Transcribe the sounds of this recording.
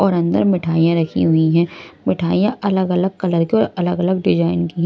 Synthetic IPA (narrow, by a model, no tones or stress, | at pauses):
ɔːɾɐ̃nd̪ə̰ɾmɪʈʰaːijãɾɐkʰḭɦʊiɦɛ̃ːmɪʈʰaːijãʔɐləɡɐləɡ̚kɐləɾkiɔːɾɐləɡɐləɡɖɪd͡ʒaːɪnkiɦɛ̃